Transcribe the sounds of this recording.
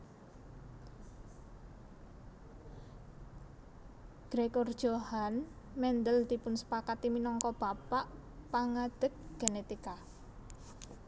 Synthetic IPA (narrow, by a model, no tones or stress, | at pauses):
ɡ̥ɾekord̥ʒ̥ohan | mɛnd̪əld̪̥ipʊnsə̥pakat̪iminɔŋkɔb̥apaʔpaŋad̪̥ə̤k̚ɡ̥e̤net̪ika